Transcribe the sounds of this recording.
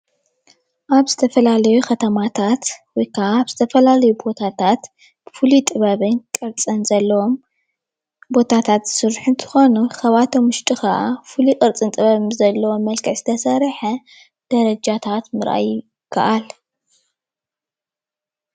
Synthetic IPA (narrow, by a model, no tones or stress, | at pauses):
ʔaβzɨt̪ʰɐfɐlalɐjukʰɐt̪ʰɐmat̪ʰat̪wɔjkʰaʔaβz̥ɨt̪ʰɐfɐlalɐjubo̞t̪ʰat̪ʰat̪ | b̥ɨfulit̪ʼɨβɐβɨnkʼɨɾt͡sʼɨnzɐlːɐwom | bo̞t̪ʰat̪ʰat̪z̥ɨ̥sɨɾħɨnt̪ʰɨ̥xo̞nuxɐβat̪ʰomʊʃt̪ʼixɐʔafulikʼɨɾt͡sʼɨnt̪ʼɨβɐβzɐlːɐwo̞mːɐlkʰɐʕzɨt̪ʰɐsɐɾħɐ | d̪̥ɐɾɐd͡ʒat̪ʰat̪mɨɾʔa̰j | kʰɐ̰ʔal